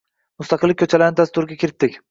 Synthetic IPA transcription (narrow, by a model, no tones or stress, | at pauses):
mʊst̪ɑqʰɨlːɪkʲʰːɵt͡ʃʰalaɾnɪd̪ast̪ːʊɾɪɡʲakʲʰɪɾɪt̪ːɪkʲ